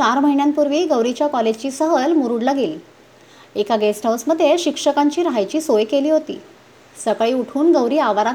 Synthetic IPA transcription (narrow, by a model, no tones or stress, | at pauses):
t͡ɕaɾməɦiɳjãnpuɾʋiːɡəʋɾit͡ɕjakɔled͡ʑt͡ɕiːsəɦəlmuɾuɽlaɡiːl | ekaɡesʈʰəwsməd̪ʱːjeɕikʂəkaɲt͡ɕiːɾɦajt͡ɕiːsojkeliːɦot̪ḭː | səkɭiːuʈʰuːnɡəʋɾiːaʋaɾa